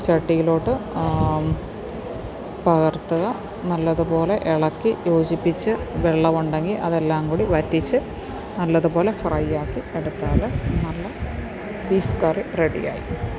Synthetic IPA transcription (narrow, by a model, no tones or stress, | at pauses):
t͡ɕɐʈːijiloːɽɨ | pɐɣɐrt̪ːɐɣɐ | nɐlːɐðupo̞ːle̞ʔeɭɐkːijo̞ːt͡ɕipːit͡ɕːɨʋeɭːɐʋuɳɖe̞ŋɡilʔɐ̰ðe̞lːaːŋɡuɽiʋɐtːit͡ɕːɨ | nɐlːɐðupo̞ːle̞frɐjːaːkːieɽut̪ːaːlɐnɐlːɐ | biːfkaːrireɽḭja̰ːjḭ